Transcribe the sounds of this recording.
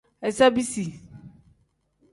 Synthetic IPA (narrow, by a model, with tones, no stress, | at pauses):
ɛ˨sa˦bi˦si˨